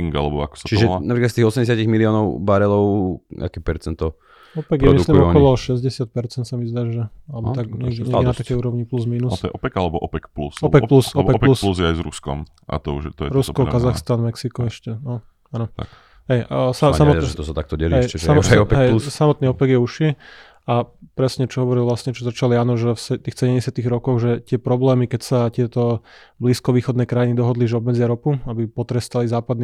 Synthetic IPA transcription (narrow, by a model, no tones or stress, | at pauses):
iŋɡa̰lɛbɔakɔ̥sḁt͡ʃiʒɛnapɾiklatst̪iɣɔsɛmɟɛs̬aciɣmiliɔːnɔʊbaɾɛlɔʊa̰kɛːpɛɾt͡sɛnt̪ɔ | ɔpɛɡpjɾɛɔmiduksliumɔkɲɔlɔʃɛzɟɛsɪat̪̚pɛɾt͡sɛnt̪samizd̪aːʒɛalɛbɔt̪aɡɲɛɲɛɡɛnat̪akɛjuːɾɔʋɲipluzmiːnusɔjɛʔɔpɛkalɛbɔʔɔpɛkplṵsɔpɛkplusɔpɛkɔpɛusluzjɛajzɾṵskɔ̰m | ʔa̰t̪ɔṵʒɛt̪ɔjɛ̰ɾuskɔkazaxst̪anmɛksikɔɛʃcɛnɔ | anɔ | ɦɛjsasammɔʒɛt̪ɔsat̪ak̚t̪ɔɟɛliɦɛjɛsamɔɛɔɛɦɛjsamɔt̪niːɔpɛɡjɛuʃi | apɾɛsɲɛt͡ʃɔɦɔʋɔɾilʋlasɲɛt͡ʃɔzat͡ʃaliaːnɔʒɛfsɛt̪iːxsɛɟɛmɟɛsɪat̪iɣɾɔkɔɣʒɛt̪ɪɛpɾɔblɛːmikɛcsac̪ɪɛt̪ɔbliːskɔʋiːxɔd̪nɛjkɾajinid̪ɔɦɔd̪liʒɛɔbmɛd͡zɪaɾɔpuabipɔt̪ɾɛst̪alizaːpad̪n